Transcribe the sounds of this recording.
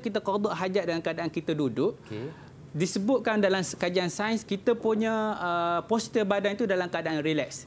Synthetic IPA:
kit̪akordɔʔɦad͡ʒaʔ̪̚dalamkəadaʔankit̪adudʊʔke | disəbʊt̪̚kandalamskad͡ʒiansajnskit̪əpuɲə̃əpɔsi̥t̪ibadanit̪udalamkəadaʔanrilɛks

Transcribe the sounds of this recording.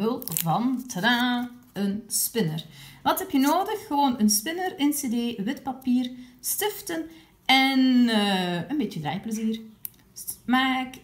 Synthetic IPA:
ɪlˠvɑntʰəɾaː | ənspɪnərʋɑtɦɛpjənoːdəxːəʋoːnənspɪnəɾɪnsedeːʋɪtpɑpiːrstɪftən | ɛn | ənbeːtədra̰ːjpləziːr | maːk

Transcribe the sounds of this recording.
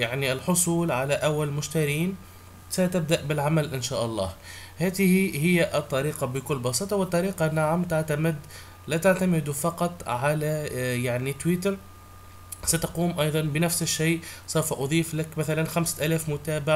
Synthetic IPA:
jaʕniɪlħʊsˤuːlʕalæʔawːallmʊʃt̪aɾjiːn | sæt̪ɪb̚d̪aʔbɪlʕamælʔɪnʃæːʔɑlˤːɑ̰ːh | hæːt̪ɪhihɪjːæʔɨt̪ˤːɑɾiːqɑbɪkʊlːbɑsiːt̪ˤɑwɪt̪ˤːɑɾiːqɑnːaʕamt̪aʕt̪amɪd̪ | læt̪aʕt̪amɪd̪ufɑqɑt̪ˤʕalæjaʕnit̪wiːt̪əɾ | sæt̪ɑquːmʔɑjðˤɑnbɪnæfsɪʃːajʔsˤawfʔʊðˤiːflakmæθælanxamsʔæːlæːfmʊt̪æːbɪʕ

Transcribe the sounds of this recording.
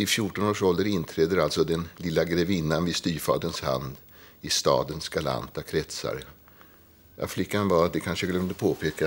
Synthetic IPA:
ɪfjʊʈːɔnoːʂɔld̪əɾɪnːt̪ʰɾɛːd̪əɾalt̪sɔd̪ɛnlɪlːaɡɾɛvɪnːanvɪst̪yːfɑ̰ːd̪ənsha̰nd̪ | ɪst̪ɑ̰ːd̪ənsɡ̥ala̰nt̪akʰɾɛt̪sa̰ɾ | ja̰flɪkːanvad̪ɛkʰanʂəɡlɛmnd̪əpʰoːpʰeːka

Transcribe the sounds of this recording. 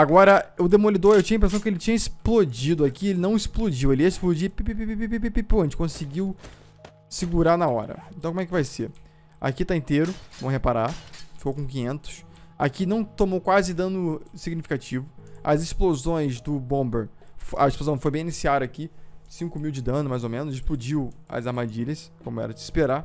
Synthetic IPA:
aɡɔɾɐʊd̪emolid̪oɾewt͡ʃĩɲɐĩpɾesɐ̃w̃kɪelɪt͡ʃĩɲɐisplod͡ʒid̪ʊakielɪnɐ̃w̃ɪsplod͡ʒiweliɐɪsplod͡ʒipipipipipipipipipõt͡ʃɪ̥kõsɪɡiw | sɪɡuɾanaɔ̰ɾɐ̰ẽnt̪wkomɛkɪvajseɾ | a̰kit̪aẽnt̪eɾʊvɐ̃w̃ɦepaɾafi̥kowkõk̬ĩɲẽnt̪ʊ̥s | a̰kinɐ̃w̃t̪omowkwazɪd̪ɐ̃nʊsiɡnifi̥kat͡ʃivʊɐ̰zɪsplozõj̃zd̪ʊbõbeɾfɐeʃplozɐ̃w̃fojbẽinisiad̪ɐaːkisĩŋkʊmiwd͡ʒɪd̪ɐ̃nʊmajzomẽnʊzɪsplud͡ʒiwɐ̰zaɾmad͡ʒiʎɐskõmʊɛ̰ɾɐd͡ʒɪispeɾa

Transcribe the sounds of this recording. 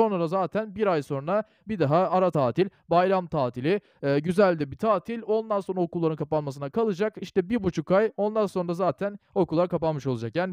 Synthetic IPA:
o̞nɾˠad̪azaːt̪ʰænbiɾajso̞nɾa | bid̪aɦaːɾat̪ʰaːt̪ʰilʲbajlˠamt̪ʰaːt̪ʰilʲɪ | ɟyzælʲd̪ɛbit̪ʰaːt̪ʰilʲo̞nd̪anso̞nɾaokʰulˠːaɾɯnkʰapanmas̬ɯnakʰalˠɯd͡ʒakiʃt̪ɛbiɾbut͡ʃʰukajo̞nd̪anso̞nɾazaːt̪ʰæno̞kulˠːaɾkapanmɯʃolˠad͡ʒakjaːni

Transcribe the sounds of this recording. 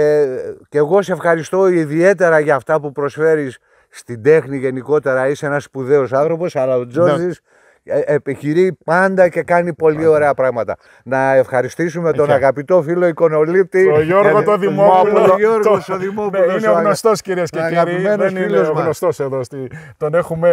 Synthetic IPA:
ce̞ɣo̞se̞fxɐɾist̪o̞iðie̞t̪e̞ɾɐʝɐft̪ɐpupɾo̞sfe̞ɾisː | t̪ind̪e̞xniʝe̞niko̞t̪e̞ɾɐisee̞nɐspuðe̞o̞sɐnθɾo̞po̞sɐlɐo̞d͡zo̞zis | epiçiɾipɐnd̪ɐce̞kɐnipo̞lio̞ɾe̞ɐpɾɐɣmɐt̪ɐ | nɐe̞fxɐɾist̪isume̞t̪o̞nɐɣɐpit̪o̞filo̞iko̞no̞lip̚t̪iʝoɾɣot̪oðimopuoɾɣosoðimopulineoɣnost̪osciɾieskeiɣɐɾimenosfiloɣnost̪oseðost̪it̪one̞xume

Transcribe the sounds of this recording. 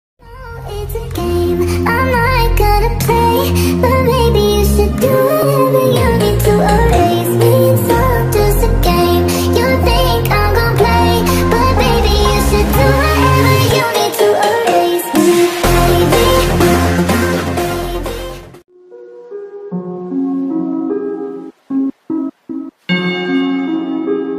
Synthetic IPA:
oɪtsɨɡ̥ẽɪ̃mãɪ̃maɪt̚ɡ̥ʌnəpʰl̥eɪb̥ʌt̚meɪbijɨʃɨdəvəjʉnitʰɨoeɪzliso | d͡ʒʌsɨɡ̥ẽɪ̃m | jɨθɪ̃ŋkãɪ̃mɡʌnəpʰl̥eɪ | b̥ʌt̚meɪbijɨʃɨdɨɛɛəjʉnitʰɨʔɔlwiɪz̥eɪði

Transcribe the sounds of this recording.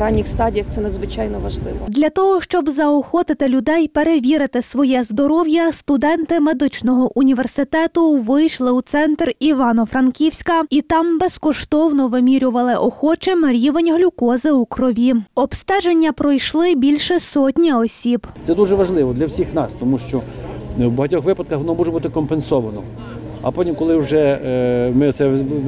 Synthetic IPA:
ɾɑnʲːixst̪ɑdʲijɐxt̪sɛnɐd̪zʋɪt͡ʃɑjnɔʋɐʒlˠɪʋɔd̪lʲɐt̪ɔɦɔʃt͡ʃɔbzɐɔxɔt̪ɪt̪ɪlʲʊd̪ɛjpe̞ɾeʋʲiɾɪt̪ɪsʋɔjɛzd̪ɔɾɔwjɐst̪ʊd̪ɛnt̪ɪme̞d̪ɪt͡ʃnɔɦɔʔunʲiʋe̞rsɪt̪ɛt̪ʊʋɪjʃlˠɪwt̪sɛnt̪riʋɑnɔfɾɐnkʲiwsʲkɐit̪ɑmbeskɔʃt̪ɔwnɔʋɪmʲiɾʲʊʋɐlˠɪʔɔxɔt͡ʃɪmɾʲiʋenʲɦlʲukɔzɪukɾɔʋʲiɔbst̪ɛʒenʲːɐpɾɔjʃlˠɪbʲilʲʃɛsɔtʲnʲiɔsʲib̪sɛd̪uʒɛʋɐʒlˠɪʋɔd̪lʲɐwsʲixnɑst̪ɔmuʃt͡ʃɔwbɐɦɐtʲɔxʋɪpɐd̪̚kɐxʋɔnɔmɔʒɛbut̪ɪkɔmpensɔʋɐnɔ̰ | ɐ̰pɔnʲikɔlˠɪwʒɛ | mɪt̪sɛ

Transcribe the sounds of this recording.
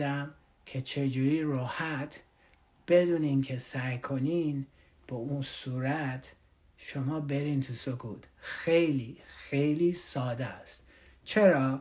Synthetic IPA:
d̪æm | kʰe̞t͡ʃʰe̞d͡ʒuːɾiːrɔːhæt̪ʰ | b̥e̞d̪uːninkʰesæjkʰo̞niːn | b̥ɔunsuːɾæt̪ʰ | ʃomɒːbe̞ɾiːnt̪ʰusokʰuːt̪xejliːxe̞jliːsɒːd̪æst̪ | t͡ʃʰe̞ɾɒː

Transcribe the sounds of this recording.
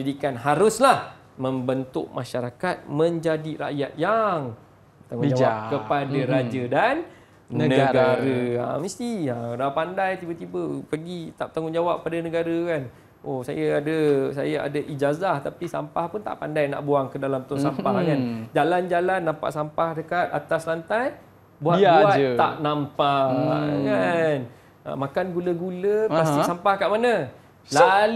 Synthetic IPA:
d͡ʒadikanɦaɾʊslah | mə̃mbənt̪ʊʔ̚mʔãʃaɾakat̪̚mə̃ɲd͡ʒadiɾa̰ʔjat̪̚jaŋ | t̪aŋud͡ʒawakəpadaɾad͡ʒədan | nənəɡaɾəa̰mĩst̪iaɾapandajt̪ibət̪ibəpəɡit̪aʔ̚t̪aŋʊŋd͡ʒawap̚padanə̃ɡaɾəkan | ʔosa̰jaadəsa̰jaa̰daʔid͡ʒazaht̪apisa̰mpahpʊnt̪a̰ʔpandajna̰ʔbuaŋkədalamt̪ʊnsampahkand͡ʒaland͡ʒalanːampa̰ʔsampahdəkat̪̚a̰t̪aslant̪aj | buabuat̪a̰ʔnampa | kan | a̰makanɡuləɡuləpast̪isampahkaʔmanə̃ | la

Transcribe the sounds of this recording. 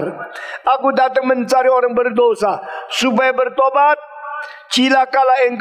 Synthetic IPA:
ɾaɡudatəŋmənt͡saɾiɔɾɪŋbəɾdoːsasubajbəɾtobat̚ | t͡ʃilakalaeŋk

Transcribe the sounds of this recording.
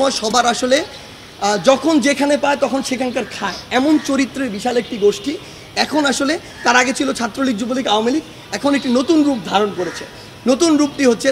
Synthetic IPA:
ɔeʃɔbaɾaʃole | d͡ʑɔkʰond͡ʑekʰanepaet̪ɔkʰonʃekʰaŋkaɾkʰaeɛmont͡ɕoɾit̪ːɾeɾbiʃalek̚ʈiɡoʃʈi | ɛkʰonaʃole | t̪aɾaɡet͡ɕʰilot͡ɕʰat̪ːɾoliɡ̚d͡ʑubolikaoamiliɡ | ɛkʰonek̚ʈinot̪unɾup̚d̪ʱaɾonkoɾet͡ɕʰe | not̪unɾup̚ʈiɦotːɕʰe

